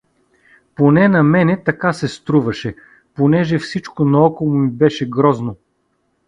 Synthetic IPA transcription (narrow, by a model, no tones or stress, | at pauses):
ponɛnɐmɛnɛt̪ɐkasɛst̪ɾuvɐʃɛ | ponɛʒɛfsit͡ʃkonɐɔkolˠomibɛʃɛɡɾɔzno